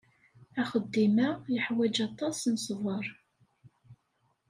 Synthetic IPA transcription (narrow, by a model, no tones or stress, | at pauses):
æχəd̪ːimajəħwæd͡ʒɑt̪ˤɑsnsˤvəɾˤ